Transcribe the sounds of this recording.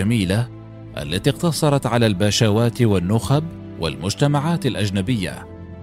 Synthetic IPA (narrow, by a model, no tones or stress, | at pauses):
amiːla | ʔa̰lːat̪iːqt̪ɑsˤɑɾˤɑt̪ʕalaːlbaːʃaːwaːt̪wanːʊxab | wa̰lmʊd͡ʒt̪amaʕaːt̪alʔad͡ʒnabɪjːa̰